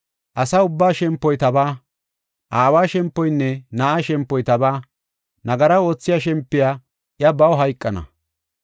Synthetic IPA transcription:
ʔɐsɐʊbːaːʃɛmpːɔjt̪ɐbaː | ʔaːwaːʃɛmpːɔjnːɛnɐʔaʃɛmpːɔjt̪ɐbaː | nɐɡɐɾɐoːt͡sːɪjaʃɛmpːɪjaː | ʔjɐbɐwɦɐjkʼːɐnɐ̰

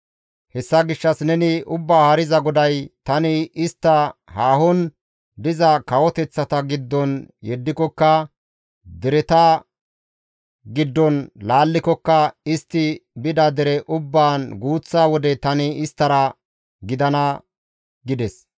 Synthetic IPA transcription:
hɛsːɐɡɪʃːɐsnɛnɪʊbːaːhɐɾɪzɐɡɔd̪ɐjt̪ɐnɪɪst̪ːɐhaːhɔn | d̪ɪzɐkɐwɔt̪ɛt͡sːɐt̪ɐɡɪd̪ːɔnjɛd̪ːɪkɔkːɐ | d̪ɪɾɛt̪a | ɡɪd̪ːɔnlaːlːɪkɔkːɐɪst̪ːɪbɪd̪ɐd̪ɛɾɛʔʊbːaːnɡuːt͡sːaːwɔd̪ɛt̪ɐnɪɪst̪ːɐɾɐ | ɡɪd̪ɐnɐ | ɡɪd̪ɛs

